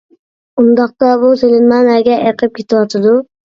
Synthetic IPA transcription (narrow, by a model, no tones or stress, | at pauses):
und̪ɑq̚t̪ɑbuselɪnmɑnæɡʲɛʔɛjqʰɨp̚kʲʰet̪ʰɪwɑt̪ʰɨd̪u